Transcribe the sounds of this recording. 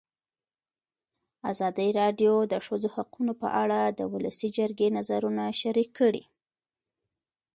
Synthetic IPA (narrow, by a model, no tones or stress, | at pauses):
azɑd̪əɾɑɖjod̪əʂəzohaqunopə̰ʔaɽad̪ə̰wʊləsid͡ʒəɾɡenazaɾunaʃaɾikʰːəɽḭ